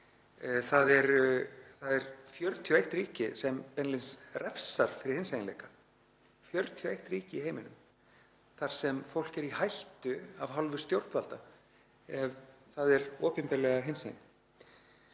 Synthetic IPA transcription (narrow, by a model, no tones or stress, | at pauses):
θaðɛɾθaðɛɾ̥fjœɾt̪ʰjɔejht̪riːcɪsɛmpɛnlɪnsrɛfsaɾ̥fɪɾɪɾhɪnsajnlḛjkḁ | fjœɾt̪ʰjɔejht̪riːcɪiɦeːjmɪnʏm | θaɾ̥sɛmfowl̥cɛɾihajht̪ʏavɦalvʏ̥st̪jowɾt̪valt̪a | ɛvθaðɛɾɔːpɛnt̪alɛɣaɦɪnsḛjn